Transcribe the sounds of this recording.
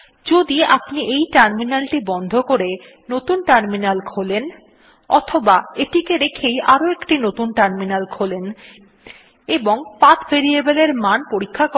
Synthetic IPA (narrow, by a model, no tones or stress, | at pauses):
d͡ʑod̪iapniʔejʈaɾminalʈibɔnd̪ʱokoɾe | not̪unʈaɾminalkʰolen | ɔ̰t̪ʰobaeʈikeɾekʰejʔaɾoekʈinot̪unʈaɾminalkʰolen | eboŋpat̪beɾiebeleɾmanpoɾikʰːak